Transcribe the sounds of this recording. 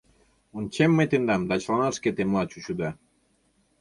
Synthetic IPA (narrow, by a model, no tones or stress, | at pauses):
unt͡ʃemːet̪end̪amd̪at͡ʃlanasket̪emlat͡ʃuʃud̪a